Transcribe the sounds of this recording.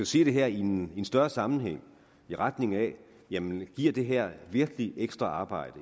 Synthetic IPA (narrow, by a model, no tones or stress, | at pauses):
æse̝̰ːd̥e̝ɦæɐ̰inensd̥ɶɐsɑ̈mn̩ɦeŋ̰ | iʁad̥ne̝ŋæ | jæmənɡ̥iɐ̰d̥e̝ɦæɐ̰ʋiɐɡ̥əlieɡ̥sd̥ʁɑɑ̈ːb̥ɑ̈ɪ̰d̥ə